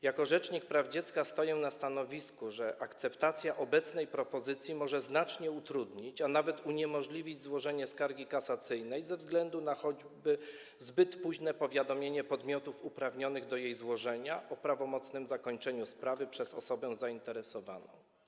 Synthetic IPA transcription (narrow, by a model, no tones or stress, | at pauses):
jakɔʐɛt͡ʂɲik̚pɾavd͡ʑɛt̪skast̪ɔjɛnast̪anɔvʲiskuʐɛʔakt̪sɛpt̪at̪sʲjaʔɔbɛt̪snɛjpɾɔpɔzɘt̪sʲjimɔʐɛznat͡ʂɲɛut̪ɾud̪ɲit͡ɕanavɛt̪uɲɛmɔʐlʲivʲid͡ʑzwɔʐɛɲɛskaɾɡʲikasat̪sɘjnɛjzɛvzɡlɛnd̪unaxɔd͡ʑ | bɘ | zbɘt̪puʑnɛpɔvʲjad̪ɔmʲjeɲɛpɔd̪mʲjɔt̪ufupɾavɲɔnɘɣd̪ɔjejzwɔʐɛɲaʔɔpɾavɔmɔt̪snɘmzakɔɲt͡ʂɛɲuspɾavɘpʂɛzɔ̰sɔbɛ̃zaint̪ɛɾɛsɔva̰nɔ̰̃w̃